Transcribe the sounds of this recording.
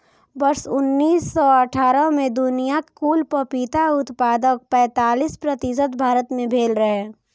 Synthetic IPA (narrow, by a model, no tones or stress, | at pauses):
bɐɾsʊnːiːsːɔəʈʰaːɾəmẽd̪ʊnijakkuːlpəpiːt̪aʊt̪paːd̪ək̚pɛ̃ːt̪aːliːspɾət̪ɪsət̪bʱaːɾət̪mẽbʱeːlɾɐɦeː